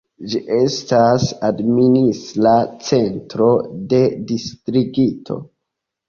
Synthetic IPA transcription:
d͡ʒiʔe̞stasadministlat͡se̞ntɾo̞de̞distɾiɡitʰo̞̰

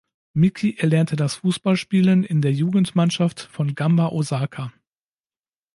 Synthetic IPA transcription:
mɪkʰiʔɛɐlɛɐntʰədasfuːsb̥alʃpiːlənɪndeːɐjuːɡŋ̩tmanʃaftfɔnɡambaʔozaːkʰa

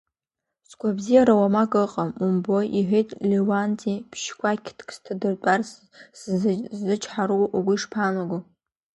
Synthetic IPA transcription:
skʷabzijaɾawamakʼɨqʼamumbojʔiħʷejtʼlewant͡sʼipʰʃkʷʰakʲʰtʰkʰʼstʰadɨrtʼar | szːɨt͡ʃʰʼħaɾuwuɡʷʊiʂpʰamaɡʷu

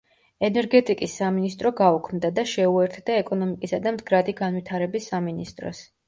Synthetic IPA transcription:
ɛnɛɾɡɛt̪ʼikʼisːaminist̪ʼɾɔɡaukʰmd̪ad̪aʃɛuɛɾt̪ʰd̪aɛkʼɔnɔmikʼisad̪amd̪ɡɾad̪iɡanvit̪ʰaɾɛbisːaminist̪ʼɾɔ̰s

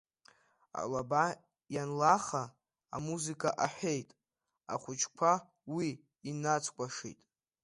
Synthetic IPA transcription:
a̰laba | janlaχa̰ː | muzikʼʰaʔaħʷᶣe̞jtʼ | a̰χʷʊt͡ʃʰkʷʰa | wiː | nat͡sʰkʷʼaʂḭjtʼ

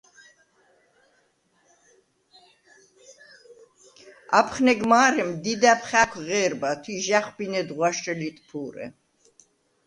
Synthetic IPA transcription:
apʰχnɛɡmaːɾɛmd̪id̪apʰχakʷʰʁɛːɾbat̪ʰwiʒaχbinɛd̪ʁwaʃrɛlit̪ʼpʰuːɾɛ̰

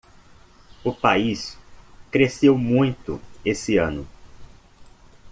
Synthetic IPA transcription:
ʊpaiskɾesewmũj̃t̪ʊ̰esɪɐ̃nʊ

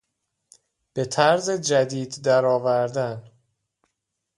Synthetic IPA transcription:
b̥e̞t̪ʰæɾzed͡ʒæd̪iːd̪ːæɾɒːvæɾd̪æn

